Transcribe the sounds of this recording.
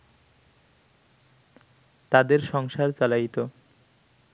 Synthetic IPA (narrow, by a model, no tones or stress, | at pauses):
t̪ad̪eɾʃɔŋʃaɾt͡ɕalajt̪o